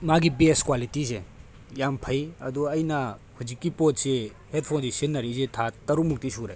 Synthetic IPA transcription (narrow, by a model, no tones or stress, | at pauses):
maɡibeskwalitise | jampʰɐjɐdɔɐjnɐ | huzikːipot̚se | het̚pʰandesinːɐɾisetʰatɐɾumuk̚tisuɾḛ